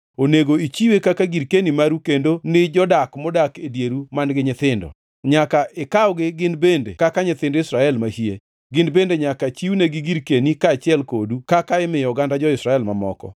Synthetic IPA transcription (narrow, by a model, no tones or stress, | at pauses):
oneɡoit͡ʃiwekakaɡiɾkenimaɾukendonɪd͡ʒɔdakmɔdakedjeɾumanɡɪɲɪt̪ɪndɔ̰ | ɲakaʔɪkaɔɡɪɡɪnbendḛkakaɲɪt̪ɪndɪsɾaɛlmahie | ɡɪnbendeɲakat͡ʃiuneɡɪɡiɾkenikaːt͡ʃɪɛlkodukakaɪmɪjɔɡandad͡ʒɔɪsɾaɛlmamɔ̰kɔ̰